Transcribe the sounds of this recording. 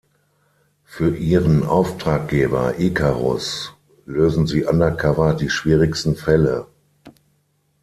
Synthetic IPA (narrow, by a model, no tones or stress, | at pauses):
fyːɐʔiːʁənʔa̰ʊftʁ̥aːk̚ɡ̥eːbɐ̰ʔiːkʰaʁɔ̰s | løːzn̩ziːʔandɐkʰavɐdiːʃv̥iːʁɪkstn̩fɛlə̰